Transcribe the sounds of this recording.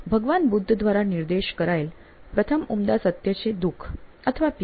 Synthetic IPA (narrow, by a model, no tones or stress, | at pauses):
bʱəɡʋanbud̪ʱːd̪ʋaɾaniɾd̪eɕkəɾajl | pɾət̪ʰəmumd̪asət̪jət͡sed̪ukʰ | ət̪ʰəʋap